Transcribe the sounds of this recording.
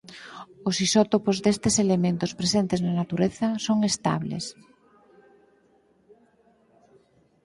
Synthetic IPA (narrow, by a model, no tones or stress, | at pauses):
osisɔt̪opozðest̪eselemẽnt̪ospɾesent̪eznanat̪uɾeθɐsoŋest̪a̰βlḛs